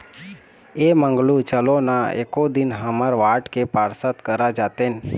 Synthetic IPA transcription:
eːmə̃ŋɡlut͡ʃəlonaḛːkod̪ɪnɦəməɾʋaːʈkepaːɾsət̪kəɾad͡ʒaːt̪en

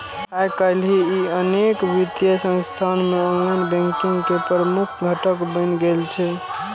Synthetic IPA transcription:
kajkəlɦiiənekʋit̪jəsə̃ŋst̪ʰanmeonlajnbɛ̃ŋkĩŋɡkepəɾəmukʰɡʱəʈəkbə̃ɪnɡelt͡ʃʰɛ

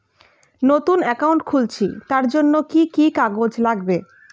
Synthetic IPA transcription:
not̪unɛkauɳʈkʰult͡ɕʰit̪aɾd͡ʑonːokikikaɡod͡ʑlaɡbe

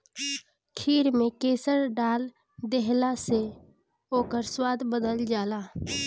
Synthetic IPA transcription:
kʰiːɾmẽkeːsəɾɖaːl | d̪eɦlase | oːkəɾswaːd̪ʱbəd̪əld͡ʒaːlaː

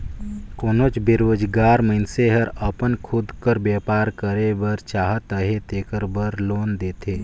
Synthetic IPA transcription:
koːnoːt͡ʃbɪɾoːd͡ʒɡaːɾməɪnseɦəɾəpənkʰʊd̪kəɾbeːpaːɾkəɾebəɾt͡ʃaːɦət̪əɦet̪eːkəɾbəɾloːnd̪eːt̪ʰeː

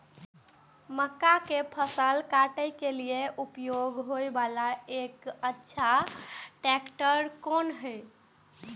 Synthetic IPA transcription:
məkːakepʰəsəlkaʈəjkelieʔupjoɡɦojbalaekətːʃʰaʈɛkʈəɾkonɦəj

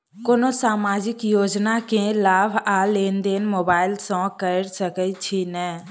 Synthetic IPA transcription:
koːnosaːmaːd͡ʒɪkjoːd͡ʒnakẽlaːbʱaleːnd̪eːnmoːbaːɪlsɔ̃kəɾsəkət͡ʃʰinɛː

